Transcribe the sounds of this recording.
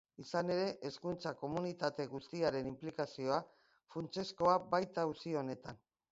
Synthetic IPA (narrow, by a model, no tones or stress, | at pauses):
isane̞ɾe̞ʔeskunt͡sako̞munit̪at̪e̞ɣust̪iaɾe̞nimplikasio̞a | funt͡se̞sko̞abajt̪ausio̞ne̞t̪an